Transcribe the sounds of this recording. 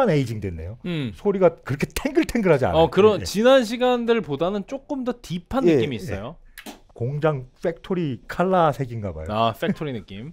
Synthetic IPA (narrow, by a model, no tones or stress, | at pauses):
ane̞id͡ʑiŋdwe̞nːḛjosʰoɾiɡakɯɾʌkʰe̞tʰeŋɡɯɭtʰe̞ŋɡɯɭɦad͡ʑia̰nʌakɯɾʌninanɕʰiɡandɯɭpodanɯnt͡ɕ͈ok͈ɯmdʌtipʰanɯekk͈ːimiːs͈ʌ̰jo | koŋd͡ʑaŋfe̞k̚tʰoɾikʰaɭːasʰe̞ɡinɡaba̰joafektʰoɾinɯk͈im